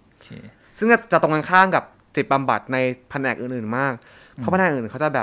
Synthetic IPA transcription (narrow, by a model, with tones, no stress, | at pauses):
sɯ˥˩ŋkɔː˥˩t͡ɕa˨˩t̪o˧ŋa˧nkʰaː˥˩ŋka˨˩p̚si˨˩ba˧mba˨˩t̪̚na˧jpʰa˧nʔɛː˨˩k̚ʔɯː˨˩nʔɯː˨˩nmaː˥˩k̚ | pʰɔ˦˥a˧nʔɛː˨˩ʔɯː˨˩˨wt͡ɕa˨˩bɛː˨˩